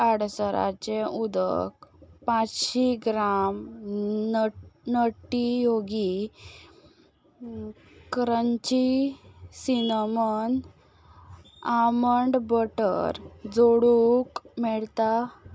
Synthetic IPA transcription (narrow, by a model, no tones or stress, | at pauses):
aɽsəɾa̰t͡ɕeud̪ə̰k̚pãt͡sɕiɡɾam | nəʈːijoɡi | kɾəɲt͡ɕi | sinəmən | aməɳɖbəʈə̰ɾd͡zoɽukmɛɭt̪a